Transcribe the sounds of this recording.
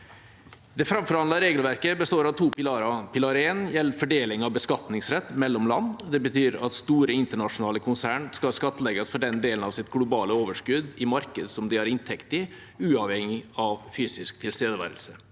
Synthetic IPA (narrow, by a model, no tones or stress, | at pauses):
d̪ɛfɾɑmfɔɾhɑnd̪ɑɾeːɡəlʋæɾkəbəst̪oːɾɑʋt̪ʰuːpɪlɑɾɑpʰɪlɑɾəeːnjɛlːəfɔɖeːlɪŋɑʋbəskɑt̪nɪŋsɾɛt̪ːmɛlːɔmlɑ̰nːd̪ɛbət̪ʰyːɾɑ̰t̪st̪uːɾəɪnt̪əɳɑʂʊnɑːləkʰʊnsæːɳskɑlskɑt̪ːlɛɡɑsfɔɖɛnd̪eːlən̩ɑʋsɪt̪ɡlʊbɑːləoːʋəʂkʉd̪ɪmɑɾkəd̪sɔmd̪ɪæɾɪnt̪ʰɛkt̪ɪ | ʉːɑʋhɛŋɪɑʋfyːsɪsk̚t̪ʰɪlst̪eːd̪əʋæ̰ːɾəlsə